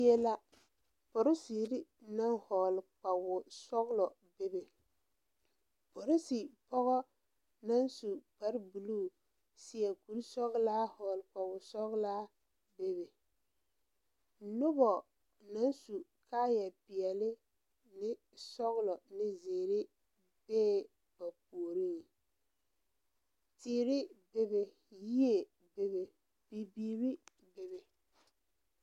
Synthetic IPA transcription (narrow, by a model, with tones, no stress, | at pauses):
jɛ˦la˦ | pɔ˨ɾɪ˦si˨ɾɪ˦na˦ŋhɔ˨lɪ˨k͡pa˨wʊ˨sɔ˦ɣlɔ˨ | be˦be˨ | po˨ɾɪ˦si˨pɔ˦ɣɔ˦ | na˦nsu˨k͡pa˦ɾbu˨luː˦˨ | sɪ˦ɛ˨ku˨lsɔ˦ɣlaː˦hɔ˨lɪ˨k͡pa˨wʊ˨sɔ˦ɣlaː˦ | be˦be˨ | nʊ˦bɔ˨ | na˨˦n˦su˨ | kaː˦jɛ˨pɪ˨ɛ˨lɪ˦ | nɪ˦ | sɔ˦ɣlɔ˨nɪ˦zeː˨ɾɪ˦ | bɛː˦ | ba˨p̚u˨o˨ɾi˦˨ | tɪː˦ɾɪ˦be˦be˨ | ji˦e˨ | be˦be˨ | b̥i˨biː˨ɾi˦ | be˨bɪ˨